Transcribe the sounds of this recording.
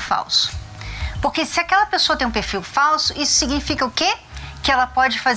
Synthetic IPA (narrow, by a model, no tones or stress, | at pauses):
fa̰wsʊ̥ | poɾkesɪakɛlɐpesoɐt̪ẽpeɾfiwfawsʊʔisʊ̥siɡnifikɐʊkekɪɛlɐpɔd͡ʒɪfaz